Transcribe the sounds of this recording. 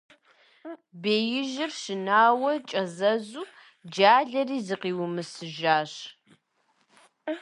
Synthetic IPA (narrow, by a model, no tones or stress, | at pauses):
beːjɪʒɪrʃɪnaːwɐt͡ʃʼɐzɐzuː | d͡ʒaːɮɐriːzɨqiːwʊmɨsɨʒaːɕ